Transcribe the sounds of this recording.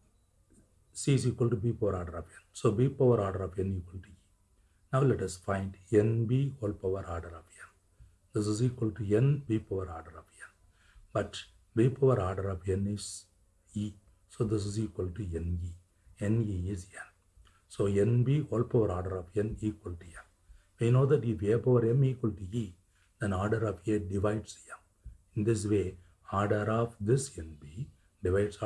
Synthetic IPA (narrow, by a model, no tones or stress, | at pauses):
siːsiːkɐlʈubiːpɐʋəɾaːɖəɾɔfɛnsoːbiːpɐʋəɾaːɖəɾɔfɛniːkɔlʈuiː | naʊlɛʈɐsfãɪ̃ɳɖɛnbiːoːlpɐʋəɾaːɾɖəɾɔfɛ̃n | d̪ɪs̬ɪziːkɔlʈuɛnbiːpɐʋəɾaːɾɖəɾɔfɛn | bɐʈ | biːpɐʋəɾaːɾɖəɾɔfɛniz | iː | soːd̪ɪs̬ɪziːkwɔlʈuɛniː | ɛ̃niːizɛ̃n | soːɛ̃nbiɔːlpɔʋəɾaːɾɖəɾɔːfɛ̃niːkwəlʈuɛ̃m | ʋinoːd̪ɛʈifeːpoʋəɾɛ̃miːkwəlʈui | d̪ɛ̃naːɖəɾɔfeːɖɪʋaɪɖsɛ̃m | ɪ̃nd̪ɪs̬ʋeː | aːɾɖəɾɔːʋd̪ɪsɛ̃nbiː | ɖɪʋaɪɖs